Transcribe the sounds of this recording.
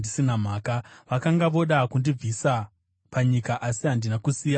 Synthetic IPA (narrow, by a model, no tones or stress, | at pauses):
disinam̤aːkaʋakaŋɡaʋo̞ɗakundib͡visa | paɲikaʔasiɦandinakusiːja